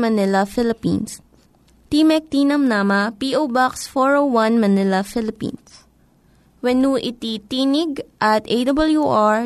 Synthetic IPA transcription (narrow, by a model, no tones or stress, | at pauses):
mɐnɪlɐfɪlɪpḭ̃ns | t̪imɛk̚t̪inɐmnamɐpiʔowbaksfɔɹowwɐ̃nmɐnɪlɐfɪlɪpḭ̃ns | wɛnuʔit̪it̪inɪɡʔɐt̪ejd̪ɐbɐljuʔaɹ